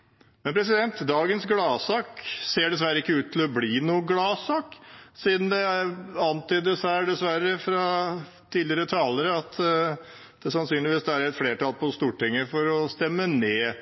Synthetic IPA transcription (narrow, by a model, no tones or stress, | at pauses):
mɛnpʰɾɛs̬ɪd̪ɛnt̪d̪ɑːɡənsɡlɑːsɑːkseːɖɛsʋæɾːəɪkːəʉːt̪ʰːɪlɔbliːnuːəɡlɑːsɑːksiːd̪nd̪ɛɑnt̪yːd̪əsæɖɛsʋæɾəfɾɑ | t̪ʰiːlɪəɾət̪ʰɑːləɾəɑt̪ | d̪̥ɛsɑnsyːnlɪʋiːsd̪ɛæɾɛt̪fleːʈɑlpʰɔst̪uːʈɪŋːəfɔɾɔst̪ɛmːəneː